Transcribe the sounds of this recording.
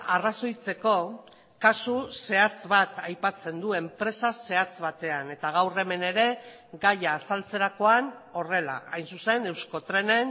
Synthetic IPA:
araso̞jt͡se̞ko̞ | kasuse̞at͡sβat̪ajpat͡se̞nd̪ue̞mpɾe̞sase̞at͡sβat̪e̞ane̞t̪aɣ̞awre̞me̞ne̞ɾe̞ | ɡajaːsalt͡se̞ɾako̞ano̞re̞la̰ajnsuse̞ne̞wsko̞t̪ɾe̞ne̞n

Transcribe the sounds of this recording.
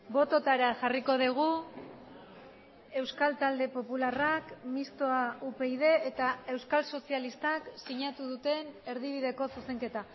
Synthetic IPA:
bo̞t̪o̞t̪aɾaʝariko̞ðiɣ̞u | e̞wskalt̪ald̪e̞po̞pularakmist̪o̞aupe̞iðe̞ːt̪ae̞wskalso̞sialist̪aksiɲat̪uð̞ut̪e̞ne̞ɾðiβ̞iðe̞ko̞suse̞ŋke̞t̪a

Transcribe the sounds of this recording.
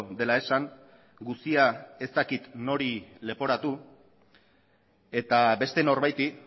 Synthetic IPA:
d̪e̞lae̞saŋ | ɡust̪iae̞st̪akit̪no̞ɾile̞po̞ɾat̪u | e̞t̪aβbe̞st̪e̞no̞ɾβajt̪i

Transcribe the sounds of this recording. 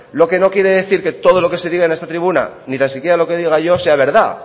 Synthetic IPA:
lo̞ke̞no̞kje̞ɾe̞ðe̞θiɾke̞t̪o̞ð̞o̞lo̞ke̞se̞ðiɣaene̞st̪at̪ɾiβuna̰nit̪ansikjeɾalo̞ke̞ðiɣ̞aʝo̞se̞aβ̞e̞ɾða

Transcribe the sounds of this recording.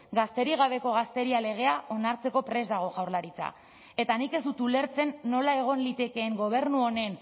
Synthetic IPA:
ɡast̪e̞ɾiɣ̞aβ̞e̞ko̞ɣ̞ast̪e̞ɾiale̞ɣ̞e̞aʔo̞naɾt͡se̞ko̞pɾe̞zd̪aɣ̞o̞ɣawɾlaɾit͡sa̰ | e̞t̪anike̞zd̪ut̪ule̞ɾt͡se̞nːo̞lae̞ɣ̞o̞nlit̪e̞ke̞ːŋɡo̞β̞e̞ɾnuo̞ne̞n

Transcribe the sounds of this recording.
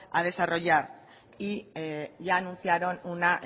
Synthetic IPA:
aðe̞saro̞ja | iʝanusiaɾo̞nunaʔ

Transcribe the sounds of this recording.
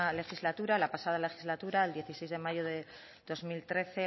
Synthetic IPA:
ale̞xizlat̪uɾalapasað̞ale̞xizlat̪uɾaeld̪je̞θise̞jzð̞e̞maʝoðe̞ | ð̥o̞zmilt̪ɾe̞θe̞

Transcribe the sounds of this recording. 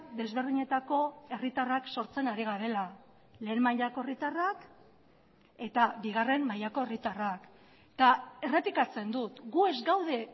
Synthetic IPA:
d̪e̞zβe̞ɾð̞iɲe̞t̪ako̞e̞rit̪arakso̞ɾt͡se̞naɾiɣ̞aɾe̞la | le̞ːnmaʎako̞e̞rit̪arak | e̞t̪abiɣ̞are̞mːajako̞erit̪arak | t̪ae̞re̞plikat͡se̞nd̪ut̪ɡue̞zɡawð̞e̞

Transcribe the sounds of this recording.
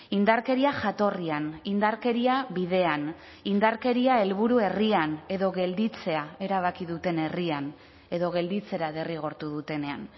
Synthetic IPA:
ind̪aɾke̞ɾiaʝat̪o̞rianind̪aɾke̞ɾiaβiðe̞an | ind̪aɾke̞ɾiae̞lβuɾue̞riane̞ðo̞ɣe̞ld̪it͡se̞ae̞ɾaβ̞akiðut̪e̞ne̞rian | e̞ðo̞ɣ̞e̞ld̪it͡se̞ɾaðe̞riɣ̞o̞ɾt̪uðut̪e̞ne̞an

